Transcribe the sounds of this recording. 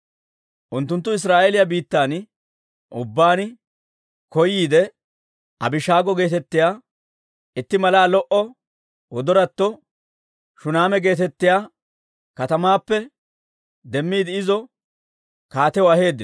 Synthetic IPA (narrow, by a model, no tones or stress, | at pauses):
ʔʊnt̪ːʊnt̪ːʊɪs̬ɾaːʔelɪjabiːt̪ːaːn | ʔʊbːaːnɪ | kɔjiːd̪ɛ | ɐ̰bɪʃaːɡɔɡe̞ːt̪ɛt̪ːɪjaː | ɪt̪ːɪmɐlaːlɔʔɔ | wʔɔd̪ɔɾɐt̪ːɔ | ʃʊnaːmɛɡe̞ːt̪ɛt̪ːɪjaː | kɐt̪ɐmaːpːɛ | d̪ɛmːiːd̪ɪɪzɔ | kaːt̪ɛwɔɐhe̞ːd̪ːɪ